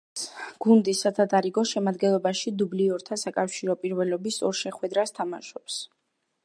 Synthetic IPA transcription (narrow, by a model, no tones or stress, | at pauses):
ɡ̥und̪isad̪ʰad̪aɾiɡɔʃɛmad̪ɡɛnlˠɔbaʃid̪ubliɔɾt̪ʰasakʼafʃiɾɔpʼiɾvɛlɔbisɔɾʃɛχwɛd̪ɾast̪ʰamaʃɔps